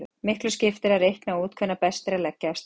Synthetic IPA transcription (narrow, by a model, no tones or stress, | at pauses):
mɪhklʏscɪft̪ɪɾaɾejhknauːt̪̚kʰvœnapɛst̪ɾɛlɛcːast̪